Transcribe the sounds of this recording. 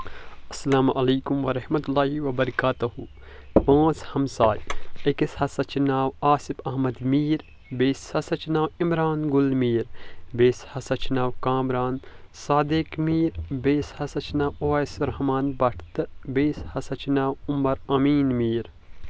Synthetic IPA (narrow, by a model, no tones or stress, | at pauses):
ɐsːɐlaːmɐlɐːkumʋɐɾɐhmɐt̪ulːaːɦiʋɐbɐɾɐkaːt̪uhu | pãːt͡shɐmsaːjekishɐsɐt͡ʃinaːwaːsipɐɦmɐd̪miːɾ | beːshɐsɐt͡ʃinaːwimɾaːnɡʊlmiːɾbeːshɐsɐt͡ʃinaːwkaːmɾaːnsaːd̪eːkmiːɾbeːshɐsɐt͡ʃinaːwoːsɾɐhmaːnbɐʈʰt̪ɨbeːshɐsɐt͡ʃinaːwʊmːɐɾɐmiːnmiːɾ